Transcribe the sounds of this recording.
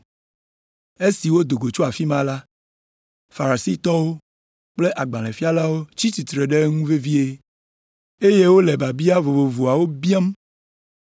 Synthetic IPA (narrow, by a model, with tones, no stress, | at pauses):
e˦si˨wo˦d̪o˨ɡo˨t͡ʃo˦a˨fi˦mã˦la˦ | fa˨ɾa˨si˦t̪ɔ˦wo˦ | k͡ple˦ʔa˨ɡ͡bã˨lɛ̃˨fi˦a˦la˦wo˦t͡ɕi˦t̪i˨t̪ɾe˨ɖe˦ŋũ˦ve˦vi˦e˦ | e˦je˦wo˦le˨ba˨bi˦a˦vo˨vo˨vo˨a˨wo˦bi˦a˦m